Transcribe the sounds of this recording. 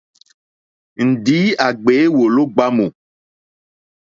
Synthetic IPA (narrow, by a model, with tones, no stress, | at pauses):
ŋ̩˨ɖi˨˦a˨ɡ͡be˨˦wo˨lo˦ɡ͡ba˦mo˨